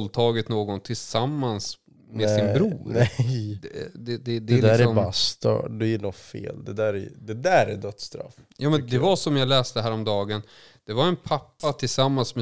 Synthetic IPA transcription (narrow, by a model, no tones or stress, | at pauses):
lt̪ʰɑːɡət̪noːɡɔnt̪ʰɪlsamːans | mɛsɪnbɾuːɾnɛ | d̪ɛd̪ɛd̪ɛld̪ɪæsɔmbast̪ɑ̰d̪ɛjnɔt̪fḛːld̪ɛd̪æɾɛ̰d̪ɛd̪æɾæd̪œt̪st̪ɾa̰fjɑːmɛnd̪ɛvaʂɔmjaɡlɛːst̪əɦæːɾɔmd̪ɑːɡən | d̪̥ɛvaɾɛnpʰapːat̪ʰɪlsamːansmɛ